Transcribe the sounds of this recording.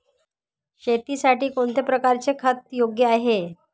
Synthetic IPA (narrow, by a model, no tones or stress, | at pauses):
ɕet̪iːsaʈiːkoɳt̪ʰepɾəkaɾt͡sekʰət̪̚joɡjəaɦe